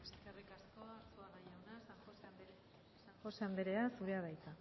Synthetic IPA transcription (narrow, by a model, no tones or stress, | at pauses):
eskerikaskoat͡suaðajawnasaŋxosembe | saxo̞sambe̞ɾe̞asuɾe̞aβ̞ajt̪a